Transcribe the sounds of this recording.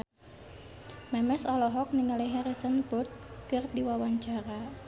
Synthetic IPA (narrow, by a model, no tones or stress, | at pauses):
mɛmɛsɔlɔɦɔk̚niŋaliɦɛɾisənpʊrt̪̚kɨrdiwawaɲt͡ʃaɾa